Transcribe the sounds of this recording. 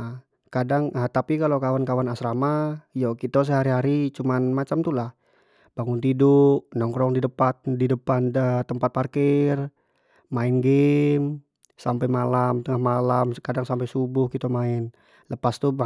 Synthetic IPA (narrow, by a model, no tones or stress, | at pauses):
kadaŋət̪apikalokawankawanasɾamajɔkit̪ɛs̬əɦaɾiɦaɾit͡ʃumanmat͡ʃamt̪ulah | baŋʊnt̪iduʔnɔŋkɾɔŋdidəpat̪̚didəpanət̪əmpat̪̚parkɪr | maɪnɡem | sampajmalamt̪əŋahmalamkadaŋsampɛjsubʊhkit̪omaɪn | ləpast̪u